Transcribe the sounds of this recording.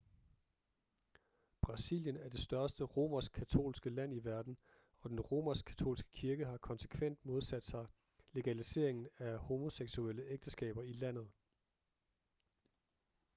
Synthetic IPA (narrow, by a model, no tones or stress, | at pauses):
b̥ʁɑ̈sḭljənæɐd̥e̝sd̥ɶɐsd̥əʁo̝ːmɐs̚kʰæt͡sʰo̝̰ːlsɡ̥əlæn̰iʋæɐd̥n̩ | ɒ̽d̥enʁo̝ːmɐskʰæ̥t͡sʰo̝̰ːlsɡ̥ə̥kʰiɐɡ̥əɦɑ̈kʰɒ̽nsə̥kʰʋen̰d̥mo̝ð̞ˠsæd̥sɑ̈ɪ | le̝ɡ̥ælise̝̰ɐe̝ŋn̩æho̝mo̝seɡ̥suel̰əʔeɡ̥̚d̥əsɡ̥ɛ̰ːb̥ɐilæn̰ð̞̩ˠ